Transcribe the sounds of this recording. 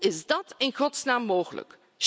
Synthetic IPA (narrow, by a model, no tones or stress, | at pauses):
ɪsd̥ɑteŋkʰot͡snaːmːoːxlə̰k | ʃ